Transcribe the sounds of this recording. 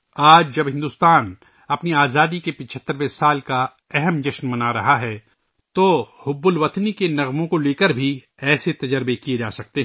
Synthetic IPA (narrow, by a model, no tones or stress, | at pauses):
aːd͡ʒd͡ʒɐbɦɪ̃nd̪uːst̪aːn | ɐpniaːzaːd̪ikepɪt͡ʃʰət̪ːəɾʋesaːlka | ɛɦɛmd͡ʒɐʃnmɐnaɾɐɦaɦɛː | t̪ohʊbːʊlʋɐt̪nikenɐɣmõkoleːkəɾbʱi | ɛːset̪ɐd͡ʒəɾbekied͡ʒa̰ːsɐk̚t̪eɦ